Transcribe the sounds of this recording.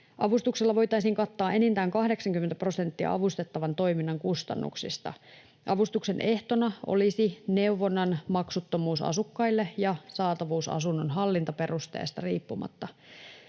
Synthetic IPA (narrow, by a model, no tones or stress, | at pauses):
ʔɑʋust̪ukselːɑʋo̞jt̪ɑisiŋkɑt̪ːɑːʔe̞nint̪æːŋkɑhde̞ksɑŋkyment̪æpro̞se̞nt̪ːiɑ̰ʔɑʋust̪e̞t̪ːɑʋɑnt̪o̞iminːɑŋkust̪ɑ̰nːṵksḭst̪ɑ̰ | ʔɑʋust̪ukse̞nʔe̞ht̪o̞nɑʔo̰lisine̞uʋo̞nːɑnmɑksut̪ːomuːsɑ̰sukːɑilːejɑsɑːt̪ɑʋuːsɑ̰sunːonɦɑlːint̪ɑpe̞rust̪ḛːst̪ɑriːpːumɑ̰t̪ːɑ